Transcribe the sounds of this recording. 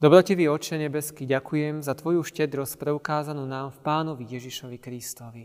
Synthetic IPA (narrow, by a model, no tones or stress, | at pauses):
d̪ɔbɾɔcɛʋiɔt͡ʃɛɲɛbɛskiɟakujɛmzat̪ʋɔjuʃcɛd̪ɾɔspɾɛukaːzanuːnaːmfpaːnɔʋijɛʒiʃɔʋikɾist̪ɔʋi